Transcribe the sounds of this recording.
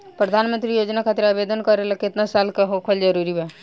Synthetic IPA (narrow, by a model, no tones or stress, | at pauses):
pɾəd̪ʱaːnmə̃nt̪ɾijoːd͡ʒnakʰaːt̪ɪɾaːbeːd̪ənkəɾeləkɪt̪nasaːlkaɦoːkʰəld͡ʒəɾuːɾiɦɛ